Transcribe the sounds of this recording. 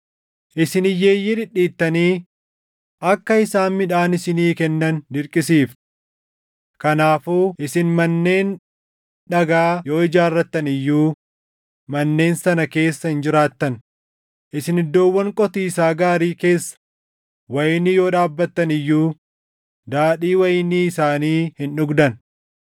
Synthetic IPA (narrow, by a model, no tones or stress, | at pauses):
ʔɪsɪnɪjːeːjːɪd̪ɪᶑːiːt̪ːɐniː | ʔɐkːɐɪsaːnmɪᶑaːnɪsɪniːkɛnːɐnd̪ɪɾkʼɪsiːf | kɐnaːfuːʔɪsɪnmɐnːe̞ːn | ᶑɐɡaːjo̞ːɪd͡ʒaːrːɐt̪ːɐnɪjːuː | mɐnːe̞ːnsɐnɐke̞ːsːɐhɪnd͡ʒɪɾaːt̪ːɐn | ʔɪsɪnɪd̪ːo̞ːwːɐŋkʼɔt̪iːsaːɡaːɾiːke̞ːsːɐ̥ | wɐjɪnːɪjo̞ːᶑaːbːɐt̪ːɐnɪjːuː | d̪aːᶑiːwɐjɪniːsaːniːhɪnᶑʊɡd̪ɐn